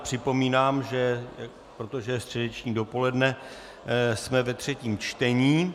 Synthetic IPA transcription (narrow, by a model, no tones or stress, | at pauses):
pr̝̥ɪpo̞miːnaːmʒɛ | pɾo̞t̪o̞ʒɛst̪r̥ɛdɛt͡ʃɲiːdo̞po̞lɛdnɛ | smɛvɛt̪r̝̥ɛciːmt͡ʃt̪ɛɲiː